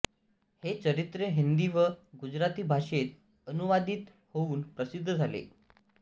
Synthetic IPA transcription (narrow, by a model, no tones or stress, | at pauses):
het͡səɾit̪ɾeɦind̪iʋəɡud͡ʑɾat̪iːbʱaʂet̪ | ənuʋad̪iːt̪ | houːnpɾəsid̪ʱːəd͡zʱalḛ